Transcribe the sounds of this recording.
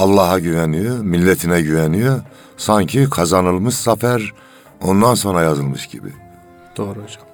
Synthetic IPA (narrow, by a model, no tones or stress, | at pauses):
ɑlˠːɑːɦaɟyvɛnijømilːɛt̪ʰinɛɟyvɛnyjo | saɲcʰikʰazanɯlˠmɯʃsafæɾ | o̞nd̪anso̞nɾajazɯlˠmɯʃɟ̥ḭbḭ | d̪̥oːɾod͡ʒ